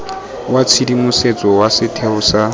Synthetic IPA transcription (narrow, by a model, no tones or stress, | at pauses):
wat͡sʰidimuset͡sʼɔwasɪtʰeʊsa